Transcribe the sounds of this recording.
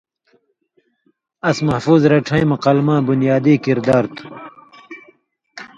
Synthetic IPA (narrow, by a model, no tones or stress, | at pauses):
ɐsmɐhfuːzɾɐʈ͡ʂʰɐ̃j̃mɐqɐlmãːbunjaːd̪iːkiɾd̪aːɾt̪ʰu̥